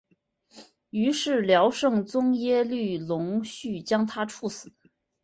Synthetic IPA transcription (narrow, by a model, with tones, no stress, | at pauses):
y˧˥ʂɻ̩˥˩ljɑ˧˥ʊʂɤ˥˧ŋt͡sʊ˥ŋjɛ˥ly˥˩lʊ˧˥ŋɕy˥˩t͡ɕjɑ˥ŋt̪ʰa˥ʈ͡ʂʰu˥˩sɹ̩˨˩˦